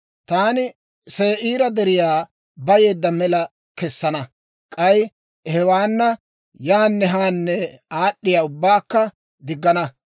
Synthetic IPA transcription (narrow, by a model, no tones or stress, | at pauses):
t̪aːnɪ | seːʔiːɾɐd̪ɛɾɪjaː | bɐje̞ːd̪ːɐmɛlɐ | kɛsːɐnɐ | kʼɐj | hɛwaːnːɐ | jaːnːɛɦaːnːɛaːɗːɪjaːʊbːaːkːɐ | d̪ɪɡːɐnɐ